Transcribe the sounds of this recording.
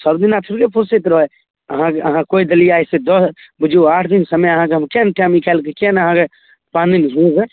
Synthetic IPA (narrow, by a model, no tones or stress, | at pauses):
səbd̪inat̪ʰuɾkepʰoset̪ɾɔɦɔ | əɦãkeəɦãkoid̪əliajsed̪əs | bud͡ʒʱuaʈʰd̪insəmeəɦãkeɦəmkenʈamikɛlkekenəɦãke | paninɦũɡɛ